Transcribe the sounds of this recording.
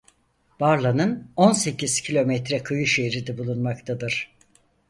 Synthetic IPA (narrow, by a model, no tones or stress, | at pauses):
b̥aɾlˠanɯno̞nse̞ciz̥cʰilʲo̞mɛt̪ɾɛkʰɯjɯʃeɾid̪ɛbulˠunmakt̪ʰad̪ɯɾ̥